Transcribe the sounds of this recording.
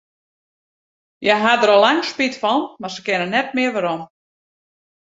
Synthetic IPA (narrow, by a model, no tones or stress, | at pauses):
jɛɦadəɾɔlːaŋspitfɔnmarsəkɪnənɛt̚mɪəʋaɾom